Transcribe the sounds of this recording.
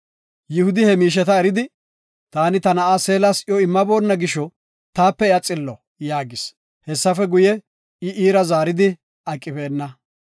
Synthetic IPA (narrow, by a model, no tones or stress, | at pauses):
jɪhʊd̪ɪhɛmiːʃ̬ɛt̪ɐɛɾɪd̪ɪ | t̪aːnɪt̪ɐnɐʔaːse̞ːlasɪjɔɪmːɐbo̞ːnːɐɡɪʃːɔ | t̪aːpːɛɪɐt͡sʼɪlːɔ | jaːɡɪs | hɛsːɐfɛɡʊjɛ | ɪʔiːɾɐzaːɾɪd̪ɪ | ɐkʼːɪbe̞ːnːɐ